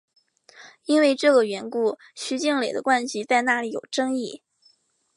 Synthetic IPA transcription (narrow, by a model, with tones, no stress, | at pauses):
i˥nwe˥˧ɪʈ͡ʂɤ˥˩ɡə˩ɥɛ˧˥nku˥˩ | ɕy˧˥t͡ɕi˥˩ŋle˨˩ɪd̪ə̰˦kwa˥˧nɕi˧˥t͡sa˥˧ɪna˥˩li˨˧˥jo˨˩ʊʈ͡ʂɤ˥ŋi˥˩